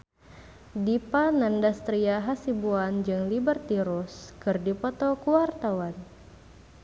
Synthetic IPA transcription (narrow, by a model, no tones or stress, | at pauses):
dipanandast̪ɾiaɦasibuand͡ʒɨŋlibərt̪iɾuskɨrdipɔt̪ɔkuwart̪awan